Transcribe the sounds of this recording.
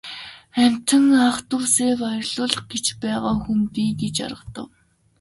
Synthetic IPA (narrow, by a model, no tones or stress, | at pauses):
æm̥ʲt̪ə̆ŋaχt̪uːseːkɔjrɮʊːɮχɡ̥et͡ɕpæːʁaːxumpiːɡet͡ɕa̰ɾə̆qt̪ə̆w